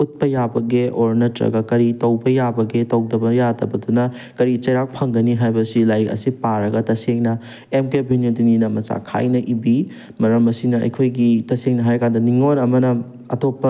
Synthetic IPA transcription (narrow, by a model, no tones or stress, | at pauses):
ut̚pɐjabɐɡeʔoɾnɐtɾɐ̰ɡɐkɐɾitɐwbɐjabɐɡetɐwdɐbɐjadɐ̰bɐdunɐ | kɐɾit͡ʃɐjɾak̚pʰɐŋɡɐniɦajbɐsilajɾikɐ̰sipaɾɐɡɐtɐseŋnɐ | emkebʱinjodininɐmɐt͡ʃa̰kʰa̰jnɐʔibi | mɐɾɐmɐsinɐɐ̰jkʰojɡitɐseŋnɐɦaɾkandɐniŋoɾɐmɐnɐ | ɐtopːɐ